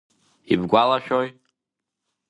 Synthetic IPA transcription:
ibɡʷalaʃᶣoj

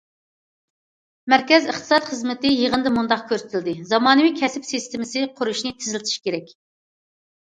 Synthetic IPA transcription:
mæɾkʲɛzəχt̪ʰɨ̥sɑt̪χəzmɪt̪ɪjeʁənd̪ɨmund̪ɑqkʲʰøɾsɪt̪ʰɪld̪ɪzɑmɑːnɨwikʲʰɛsɪpsist̪ɪmɪsɪqʰʊɾuʃnɪt̪ʰɪzɪlɪt̪ʰɪ̥ʃkʲeɾɛkʲ

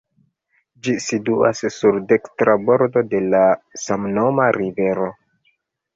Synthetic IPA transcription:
d͡ʒisituassuɾdekstɾabo̞ɾdo̞de̞lasamno̞maɾive̞ɾo

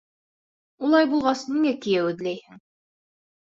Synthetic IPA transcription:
ulˠɑjbulˠʁɑsniŋækijæʉðlæjhɘŋ

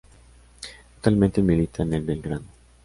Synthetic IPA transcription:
t̪ot̪almẽnt̪emilit̪ʰanelbelɡɾaðo

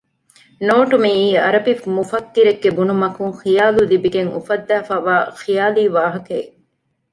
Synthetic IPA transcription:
noːʈumiiːɐɾɐbifmufɐkːiɾeɡːebunumɐkuŋxijaːlulibiɡeŋṵfɐd̪ːæːfaːʋaːxijaːliːʋaːɦɐke

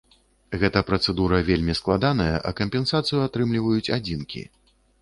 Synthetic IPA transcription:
ɣɛt̪ɐpɾɐt̪sɛd̪uɾɐvʲelʲmʲisklˠad̪an̪ɐjɐʔɐkɐmʲpʲɛnsat̪sɨjuat̪ɾɨmlʲivɐjut͡sʲad͡zʲinkʲḭ

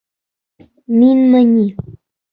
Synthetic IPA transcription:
minməɲi

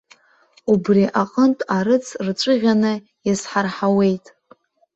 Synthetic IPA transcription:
ubriʔaqʼəntʼaɾɨt͡sʰrt͡ʃʷʼɨʁʲanɨ | jasħarħawe̞jtʼ

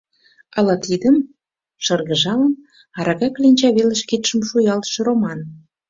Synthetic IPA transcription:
ɑlɑt̪id̪ə̆m | ʃɑrɣə̆ʒɑlən | ɑɾɑɣɑklinʲt͡ɕɑβelə̆ʃket̪ʃə̆mʃujɑlˠt̪ʃə̆romɑn

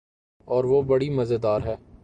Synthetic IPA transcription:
ɔːɾʋoːbɐɽimɐzed̪aːɾɦɛː

